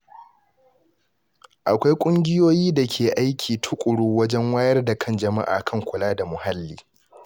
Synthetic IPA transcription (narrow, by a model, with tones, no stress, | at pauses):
ʔa˨kʷa˦jkʷʼʊ˦ŋɡʲɪ˦joː˦jiː˦da˨kʲʰeː˨ʔa˦jkʲʰiː˨tʰʊ˦kʷʼʊ˨ɽuː˦wɐ˦d͡ʒɛ˦ŋwaː˦jɐ˦rda˨kʰɐ˦nd͡ʒɐ˨ma̰˦ʔa̰ː˨kʰɐ˦˨ŋkʷʊ˨laː˦da˨mʊ˨ha˦lːiː˦